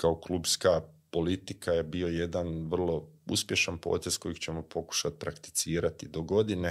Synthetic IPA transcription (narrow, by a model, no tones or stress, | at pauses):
kao̞kluːbskapo̞lit̪ikaje̞bio̞je̞d̪anʋrlˠo̞ṵspje̞ʃanpo̞̰ːt̪esko̞jiɡt͡ɕe̞mo̞pʰo̞ku̥ʃat̪̚pɾakt̪i̥t̪siːɾat̪id̪o̞ɡo̞d̪ine̞